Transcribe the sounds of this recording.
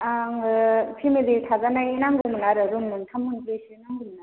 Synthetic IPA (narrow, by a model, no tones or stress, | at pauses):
aŋpʰimilitʰazanajnaŋɡumnaɾɯɾumnɯntʰamːunkesinaŋɡumna